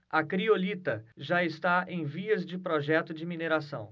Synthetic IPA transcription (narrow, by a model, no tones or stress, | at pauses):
ɐkɾiolit̪ɐʒaɪst̪aẽj̃viɐzd͡ʒɪpɾɔʒɛt̪ʊd͡ʒɪmineɾasɐ̃w̃